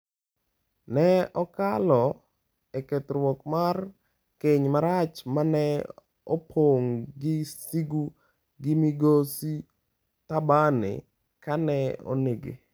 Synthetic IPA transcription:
nɛɔkalɔ | eket̪ɾwɔkmar | keɲmaɾat͡ʃmanɛ | opʰoŋɡɪsiɡu | ɡɪmiɡosi | t̪abanɪ̰ | kanɛo̰neɡḛ

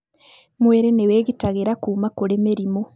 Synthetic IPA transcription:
mweɾeneweːɡitaɣeɾakuːmakuɾemeɾimo

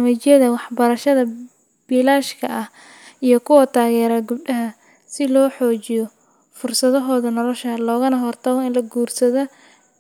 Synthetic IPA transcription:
mɐt͡ʃɪjɐðɐwɑħbɐɾɐʃɐðɐ | b̥iːlaːʃkʰɐʔɐh | ijɔkʰʊwɐt̪ʰaːɣɛːɾɐɡʊbdɐɦɐ | sɪlɔːħɔːt͡ʃɪjɔ | fʊrsɐðɔɦɔːðɐnɔlɔʃɐlɔːɣɐnɐɦɔrt̪ʰɐβɔɪnlɐɡuːrsɐðɐ

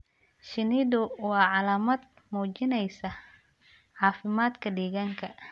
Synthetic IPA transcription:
ʃɪnɪðʊwɑːʕɑlaːmɐd̪̚ | muːt͡ʃɪnɛjsɐ | ʕɑːfɪmaːd̪kʰɐɖiːɣaŋkʰɐ

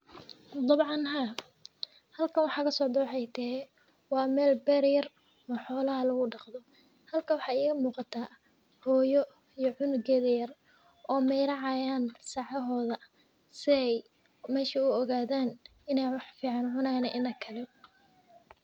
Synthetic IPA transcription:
d̪ɑbʕɑnɦaː | hɐlkʰɐnwɑħɑkʰɐsɔːd̪ʊħɛjt̪ʰɛɛ | wɑːmɛːlbɛɾjɐr | ɔħɔːlɐɦɐlɐɣʊɖɑqd̪ɔ | hɐlkʰɐwɑħɑːɪːɣɐmuːqɑt̪ʰaː | hɔːjɔ | ijɔʕʊnɡɛːðɐjɐr | ʔɔːmɛjɾɐʕɑjaːnsɑːʕɐɦɔːðɐ | sɪɛj | mɛːʃiʊɔɣaːðaːn | ɪnɛjwɑħfiːʕɑnʕʊnaːjnɐʔɪnɐkʰɐlɛ

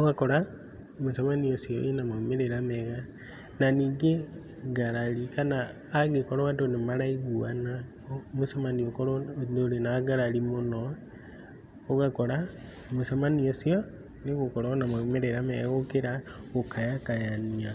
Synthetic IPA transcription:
oɣakɔɾa | mosamaniosiɔʔenamaumeɾeɾamɛɣa | naniːŋɡe | ɡaɾaɾikanaː | ɣekɔɾɔwadonemaɾaiɣuana | mosamaniokɔɾooɾenaɡaɾaɾimonɔ | oɣakɔɾa | mosamaniosjɔ | neɣokɔɾanamaumeɾeɾamɛɣokeɾaɣokajakajania

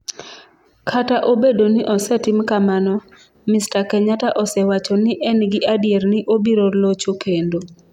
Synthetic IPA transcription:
kʰataʔobedonɪʔɔsɛtɪmkamanɔ | mɪstakɛɲataʔɔsɛwat͡ʃɔnɪʔɛnɡɪʔadɪjernɪʔobiɾolot͡ʃokendo

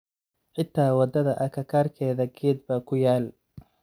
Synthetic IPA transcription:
ħɪt̪ʰːaːwɑd̪ɐðɐʔɐkʰɐkʰaːrkʰɛːðɐɡɛːd̪̚bɐkʰʊjaːl

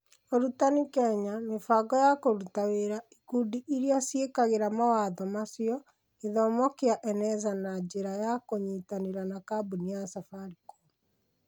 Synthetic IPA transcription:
oɾutanikɛɲanefaɡɔjakoɾutaweɾaikuːdiʔiɾiasjekaɣeɾamawaːðɔmasjɔ | neðɔmɔkeaʔɛnɛzanad͡ʑeɾajakoɲitaneɾanakabuniasafaɾiko

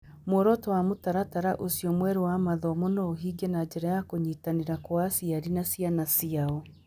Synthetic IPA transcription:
moɾɔtɔwamotaɾataɾaʔosiɔmwɛɾewamaðɔmonɔoɦiɡenad͡ʑɛɾajakoɲiːtaneɾakwasiaɾinasijanasiaɔ

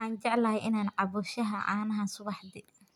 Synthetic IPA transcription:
aːnt͡ʃɛʕlɐhɛjʔɪnaːnʕɑβuʃɐɦɐʔa̰ːnɐɦaːnsʊβɑħd̪ɪ

